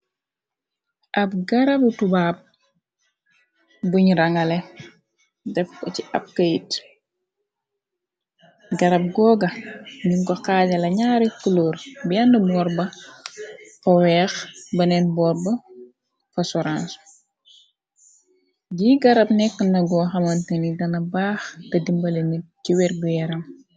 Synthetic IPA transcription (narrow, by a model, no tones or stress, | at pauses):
ʔɐp̚ɡɐɾɐbutubaːp̚ | buɲɾɐŋɐlɛ | dɛfkɔciʔɐp̚kɐjit | ɡɐɾɐp̚ɡɔːɡɐmiŋkɔxaːɟɐlɐɲaːɾikːulɔːrbiɐndəbɔːɾbɐ | fɐwɛːxbɐnɛnbɔːrbɐ | fɐsɔɾans | ɟiːɡɐɾɐp̚nɛkːənɐɡɔːxɐmɐntɐniɡɐnɐbaːxdɐdimbɐlɛniciwɛrɡujɛɾɐm